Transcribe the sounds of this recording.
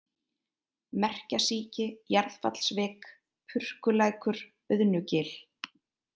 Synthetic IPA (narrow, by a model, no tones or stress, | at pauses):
mɛr̥casiːcɪjaɾðfa̰t̪l̥svɪːk | pʰʏr̥kʏlaːjkʏɾ̥ | œðnʏcɪːl